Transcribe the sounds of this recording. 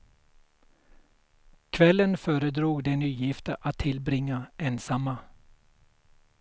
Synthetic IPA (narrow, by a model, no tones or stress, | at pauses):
kʰvɛlːənfœːɾəd̪ɾuːɡd̪ɛnyːjɪft̪əʔat̪ʰːɪlbɾɪŋːaeːnsamːa